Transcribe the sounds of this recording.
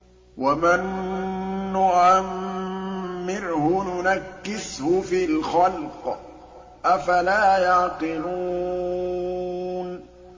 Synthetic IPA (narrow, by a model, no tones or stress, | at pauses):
wamɪnː | ʊʔʕamː | ɪɾhʊnʊnakːɪshʊfilxalq | ʔafalaːjɑʕqɪluː | n